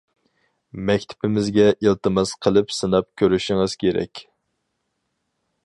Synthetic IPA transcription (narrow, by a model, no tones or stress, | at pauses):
mɛkʲt̪ʰɪ̥pʰɪmɪzɡʲɛʔilˠt̪ɨmɨsqʰəlˠɨpsɨnɑp̚kʲʰøɾyʃiŋɨz̥kʲʰeɾɛ̰kʲ